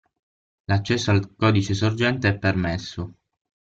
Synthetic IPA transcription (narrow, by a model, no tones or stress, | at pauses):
lat͡ʃːɛsːoalkɔd̪it͡ʃesord͡ʒɛnt̪eɛpːermesːo